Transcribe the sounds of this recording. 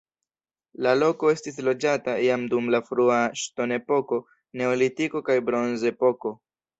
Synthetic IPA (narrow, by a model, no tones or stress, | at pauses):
lalo̞ko̞e̞stislo̞d͡ʒataiamdumlafɾuaʃto̞ne̞po̞ko̞ | ne̞olitiko̞kajbɾo̞nze̞po̞ko̞